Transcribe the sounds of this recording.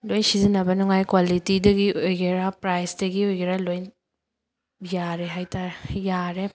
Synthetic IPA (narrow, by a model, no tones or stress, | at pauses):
lojnsizinɐbɐnuŋajkwalitidɐɡiʔojɡeɾapɾajsdɐɡiojɡeɾalojn | jaɾeɦajtaɾejaɾe